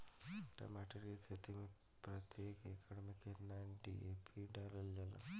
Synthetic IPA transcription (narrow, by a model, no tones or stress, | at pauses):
ʈɐ̰maʈəɾkekʰeːt̪imẽ | pɾɐt̪jeːkekʰɐɽmikːenanɖḭepʰiɖaɾɐld͡ʒɐla̰